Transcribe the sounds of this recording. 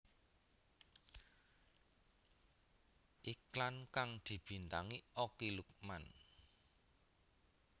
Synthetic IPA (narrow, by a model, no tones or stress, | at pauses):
ʔiklankaŋd̪̥i̤b̥i̤nt̪aŋiokiluk̚man